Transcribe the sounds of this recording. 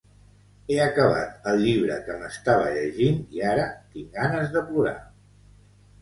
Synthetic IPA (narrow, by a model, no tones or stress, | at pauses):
eəkəβ̞a̰t̪əlˠʎiβ̞ɾə̰kəməst̪aβ̞ə̰ʎəʒiniaɾət̪iŋɡanəzðəpluɾa̰